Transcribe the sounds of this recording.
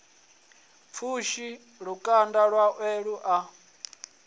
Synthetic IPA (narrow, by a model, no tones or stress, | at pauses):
p̪fʰuʃi | ɺukʼandaɺwaʔwɛɺuʔa